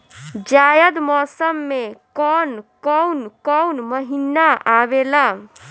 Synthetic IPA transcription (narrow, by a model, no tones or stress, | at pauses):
d͡ʒajəd̪mɔsəmːekɔnkɔwnkɔwnməɦinːaʔaβela